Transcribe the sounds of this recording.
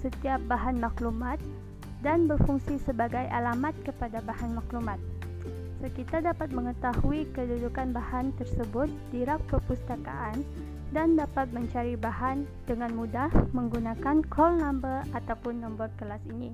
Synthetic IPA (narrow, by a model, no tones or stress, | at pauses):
sət̪iap̚baɦanmaklumat̪̚ | danbərfuŋsisəbaɡajʔa̰lamat̪̚kəpadabahanmaklumat̪̚ | səkit̪adapat̪̚məŋət̪ahuikədudukanbahant̪ərsəbʊt̪̚diɾak̚pəpust̪aka̰ʔan | dandapat̪̚məɲt͡ʃaɾibahan | dəŋanmudahməŋɡunakankʰɔlnambəat̪awpʊnːəmbat̪̚kəlasini